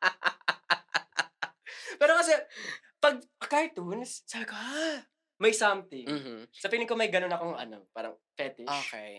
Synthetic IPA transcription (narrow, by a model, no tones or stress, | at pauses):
pɛːɾokɐsɛ | pɐɡ̚pɐkaɹt̪unssɐka | mɐjsamt̪ɪm̩sɐpiːnɪkomɐjɡɐno̞nɐkoŋʔɐ̰no̞̰paːɾɐ̰ŋfɛt̪ɪʔoʃkɛj